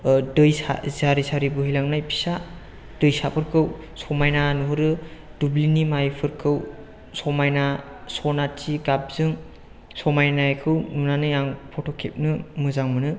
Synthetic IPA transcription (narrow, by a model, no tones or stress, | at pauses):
dɯjsa̰zaɾisaɾibɯɦilaŋnajpʰi̥sa | d̥ɯjsapʰɯɾkʰɯw | sɔmajnanuɦɯɾɯd̥ublinimajpʰɯɾkʰɯw | sɔmajna | sɔnat͡ʃiɡap̚z̥ɯŋ | sɔmajnajkʰɯwnunanɯjaŋpʰɔtʰokʰep̚nɯmɯzaŋmɯnɯ